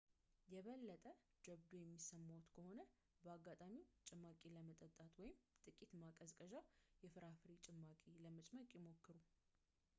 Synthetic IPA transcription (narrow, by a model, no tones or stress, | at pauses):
jɛβəlːət̪ʼə | d͡ʒəβd̪ojɛmːisəmːawut̪kʰəho̞nə | bəaɡːat̪ʼamit͡ʃʼɪmːakʼeləmət̪ʼət̪ʼːat̪wɔjɪmt̪ʼɨkʼit̪makʼəzkʼəʒajɛfɨɾafɾit͡ʃʼɪmːakʼiləmət͡ʃʼməkʼjɪmo̞kːɨɾu